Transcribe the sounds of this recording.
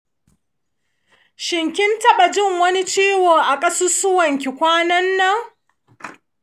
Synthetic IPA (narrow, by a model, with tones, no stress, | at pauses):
ʃɪ˨ŋkʲɪ˦ntɐ˦ɓa˨d͡ʒɪ˦˨ŋwɐ˦ni˦t͡ʃiː˦woː˨ʔa˨kʼɐ˦su˦sʊ˦wɐ˨ŋkʲi˨kʷaː˦nɐ˦nːɐ˦ŋ